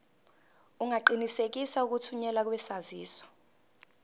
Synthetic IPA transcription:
uŋʱaǃinisek̬isauk̬utʰuɲɛlak̬wɛsaziːswḁ

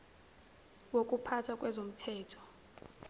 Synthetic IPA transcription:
wok̬ʼupʰatʰakʼwɛzom̩tʰɛːtʰɔ̥

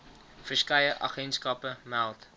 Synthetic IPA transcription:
frəskɛjəʔɑ̰χɛntskɐpəmælˠt

